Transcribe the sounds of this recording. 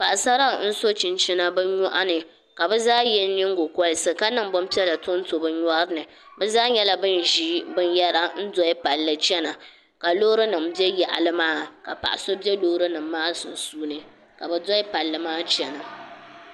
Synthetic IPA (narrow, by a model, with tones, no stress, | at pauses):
pa˨ʔa˨sa˦ɾa˦˨n̩˦so˦t͡ʃɪ˨nt͡ʃɪ˦na˦bɛ˦ɲɔ˦ʔa˦nɨ˨ | ka˨bɛ˦zaː˦jɛ˦n˦ɲɪ˦ŋ˦ɡo˨kʷɔ˦lɨ˦sɨ˨ka˦nɨ˦˨ŋ˦bɔ˦m˦pi˦ɛ˦la˨tʊ˦n̩˦to˨bɨ˦ɲɔ˦ɾɨ˦nɨ˨ | bɛ˦zaː˦ɲɛ˦la˦bɨ˦n˨ʒiː˦bɨ˦njɛ˦ɾa˨n̩˦dɔ˦ɪ˦pa˨lːɨ˨t͡ʃɛ˦na˨ | ka˨loː˦ɾɨ˦nɨ˨mbi˦ɛ˦ja˨ʔa̰˨lɨ˦maː˦ka̰˨pa̰˨ʔa˨so˦bi˦ɛ˦loː˦ɾɨ˦nɨ˨m̩ː˦aː˦sʊ˨n˨suː˦nɨ˨ | ka˨bɛ˨dɔ˦ɪ˦pa˨lːɨ˨maː˦t͡ʃɛ˨na˨